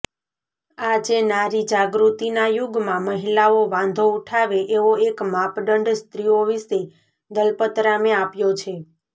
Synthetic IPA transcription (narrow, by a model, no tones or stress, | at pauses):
ad͡ʒenaɾid͡ʒaɡɾut̪inajuɡmãməɦilaoʋãnd̪ʱouʈʰaʋeʔeʋoekmapɖəɳɖst̪ɾioʋise | d̪əlpət̪ɾameapjot͡ʃʰe